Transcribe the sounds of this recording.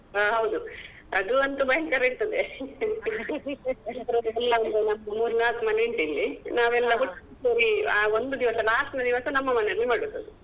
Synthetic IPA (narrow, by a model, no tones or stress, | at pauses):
ɦɐwd̪u | ɐd̪uɐnt̪ubɐjŋkɐɾiɾt̪ɐd̪e | elt̪ɾoːd̪ɛlːɐond̪unɐmːɐmuːɾnaːlkmɐnʋeɳʈilːinaːʋɛlːɐɦuʈːuʈoɾiaːond̪ud̪iʋɐsɐlaːʂʈnɐd̪iʋɐsɐnɐmːɐmɐnelːimaːɽiɾt̪ːɐd̪e